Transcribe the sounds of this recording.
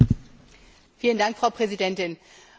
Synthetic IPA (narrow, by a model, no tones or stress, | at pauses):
fiːləndaŋkfʁ̥aʊpʁ̥ɛzidɛntɪn